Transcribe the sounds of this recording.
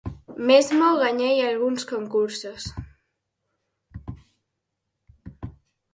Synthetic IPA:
mezmoɣaɲejalɣunskoŋkuɾsos

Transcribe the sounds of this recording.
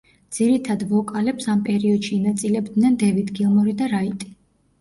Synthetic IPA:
d̪z̥iɾit̪ʰad̪vɔkʼalɛpsampʼɛɾiɔd̪ʃiːnat̪sʼilɛbd̪nɛnd̪ɛvit̪ʰɡilˠmɔɾid̪aɾait̪ʼi̥

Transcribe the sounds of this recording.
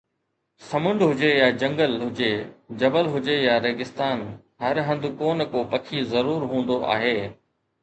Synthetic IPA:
sɐmʊ̃ɳɖɦʊd͡ʑejad͡ʑɐ̃ŋɡəlɦʊd͡ʑed͡ʑɐbəlɦʊd͡ʑejaɾeːɡɪst̪aːn | ɦɐɾɦɐ̃nd̪koːnkopɐkʰizɐɾuːɾɦũːn̆d̪oʔa̰ːɦeː

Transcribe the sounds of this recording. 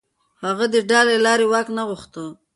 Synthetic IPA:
haɣad̪əɖɑlelɑɾewɑknaɣʊxt̪ə

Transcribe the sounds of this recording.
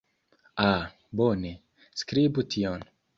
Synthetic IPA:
a | bone | skɾibut̪ʰiɔn

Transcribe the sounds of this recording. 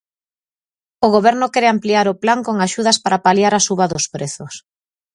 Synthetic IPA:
oɣoβɛɾnʊkɛɾeampliaɾoplaŋkoŋaʃuð̞aspaɾapaljaɾasuβaðʊspɾeθʊs

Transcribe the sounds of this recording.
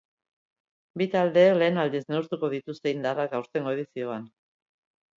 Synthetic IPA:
bit̪ald̪e̞le̞ːnald̪izne̞ust̪uko̞ð̞it̪ust̪e̞ind̪arakawst̪e̞ŋɡo̞e̞ðisio̞an

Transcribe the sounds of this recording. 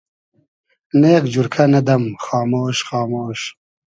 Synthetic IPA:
neːkd͡ʒuɾkʰɐnɐd̪ɐmxɑːmoːʃxɑːmoːʃ

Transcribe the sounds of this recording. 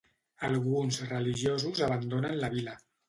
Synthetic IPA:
əlˠɣunzrəliʒjozuzaβ̞ənd̪onənləβilə

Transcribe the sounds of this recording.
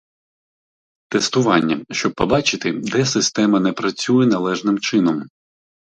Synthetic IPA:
t̪est̪ʊʋɑnʲːɐʃt͡ʃɔb̚pɔbɑt͡ʃɪt̪ɪd̪ɛsɪst̪ɛmɐnɛpɾɐt͡sʲujɛnɐlˠɛʒnɪmt͡ʃɪnɔm

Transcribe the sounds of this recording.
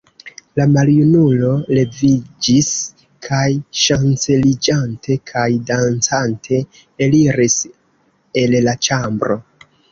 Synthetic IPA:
lamaljunulo̞le̞vid͡ʒis | kʰajʃant͡se̞lid͡ʒantʰe̞kʰajdant͡santʰe̞ | eliɾis | e̞llat͡ʃambɾo̞

